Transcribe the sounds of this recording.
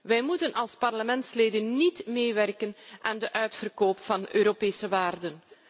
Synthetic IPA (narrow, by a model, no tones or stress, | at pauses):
ʋɛjmutənɑlˠspɑrləmɛntsleːdənːitmeːʋɛrkənaːndəʔœɥtfərkoːpfɑnøːɾopeːsəʋaːrdən